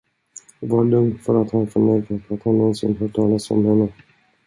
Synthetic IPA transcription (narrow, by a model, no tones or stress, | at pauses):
vɑːlɵŋd̪fœɾat̪hanfəmɛɾkafɾat̪hanːɔnsɪ̰nɦœːʈʰɑːlasɔ̰mhɛnːə